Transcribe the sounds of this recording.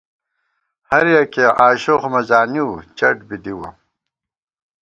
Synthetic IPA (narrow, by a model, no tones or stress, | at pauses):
hɐɾjɐkeʔaːɕoxmɐzaːniwt͡ɕɐʈbid̪iwɐ̰